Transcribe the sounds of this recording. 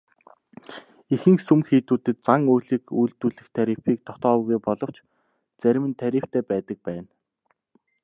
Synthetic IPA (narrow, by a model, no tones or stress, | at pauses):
ixɘ̆ŋksumxiːt̪uːt̪ɘ̆t̪̚t͡saŋujɮĭːkujɮt̪uːɮɘ̆xt̪ʰæɾiːwpiːk̚t̪ʰɔt̪ɔːɣujpɔɮɞ̆w̥t͡ɕ | t͡sæɾ̆ʲmɘ̆nt̪ʰæɾʲiːw̥t̪ʰeːpæːt̪ə̆k̚pæːn